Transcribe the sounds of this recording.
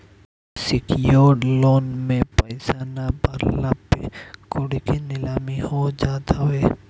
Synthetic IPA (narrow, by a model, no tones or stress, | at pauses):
sɪkjoːɖloːnmẽpəɪsanabəɾlapːḛkoɽikinɪlaːmihod͡ʒaːt̪aeː